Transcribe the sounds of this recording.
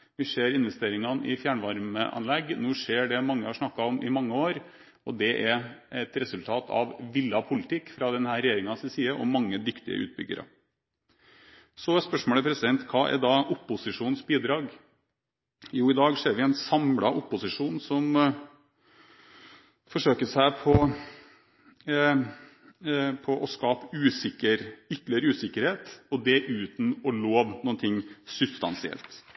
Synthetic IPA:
ʋɪʂeːɾɪnʋɛst̪eːɾɪŋɑnɪfjæːɳʋɑɾməʔɑ̰nlɛɡnuːʂeːɖɛmɑŋːəhɑʂnɑkːɑɔmʔɪmɑŋːəoːɾ | ɔd̪ɛʔɛɾɛt̪ɾɛsʉlt̪ʰɑːt̪ʰɑ̰ʋʋɪlːɑpʰʊlɪt̪ʰɪkːfɾɑd̪ɛnhæːɾɛjeːɾɪŋɑsɪsiːəʔɔmɑŋːəd̪ɪkt̪ɪ̰ə̰ʔʉ̰ːt̪̚bʏ̰ɡːə̰ɾə̰ | sɔspœʂmoːləpʰɾɛsɪd̪ɛnt̪kʰɑːʔɛ̰d̪ɑːʔʊpːʊsɪʂuːnsbiːd̪ɾɑːɡ | juːɪd̪ɑːɡʂeːɾʋɪɛnsɑmlɑʔʊpːʊsɪʂuːnsɔm | fɔʂøːkəʂæɪpʰɔ | pʰɔʔɔskɑːpəʉːsɪkəɾʏt̪lɪəɾəʉːsɪkːəɾheːt̪ɔd̪ɛʔʉːt̪n̩ɔloːʋnuːənt̪ʰɪŋːsʉbst̪ɑ̰nsɪɛ̰lt̪

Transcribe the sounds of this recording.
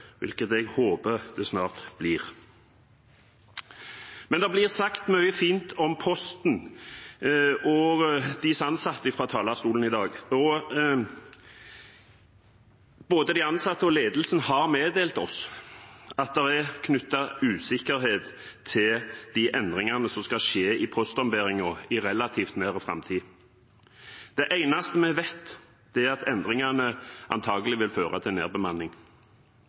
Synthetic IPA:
ʋɪ̰lkət̪ɛɡhoːbəʁd̪̥ɛsnɑːʁt̪b̥liːʁ | mɛnd̪ɛblɪʁsɑkt̪mœʏəfiːnt̪ʰɔmpʰɔst̪n̩ | ɔɡd̪ɪsɑnsɑt̪ːəɪfʁɑːt̪ʰɑːlɑst̪uːln̩ɪd̪ɑːɡɔ | b̥oːd̪əd̪ɪɑnsɑt̪ːəɔleːd̪lsənəhɑʁmeːd̪eːlt̪ɔs | ɑt̪̚d̪ɛʁækʰnʉt̪ːɑʉːsɪkəɾheːt̪ʰː | ɪld̪̥iʔɛnd̪ɾɪŋɑnəsɔmskɑʃeːɪpʰɔst̪ɔmbeɾɪŋɔɪɾɛlɑt̪ʰiːft̪meːɾəfɾɑ̰mt̪ʰiː | d̪̥ɛʔæɪnɑst̪əmɛʋɛt̪ː | d̪̥ɛæɾɑt̪ɛnd̪ɾɪŋɑnəʔɑ̰nt̪ʰɑːɡəlɪʋɪlføːʁɑt̪ʰɪlnḛːʁbəmɑnːɪŋ

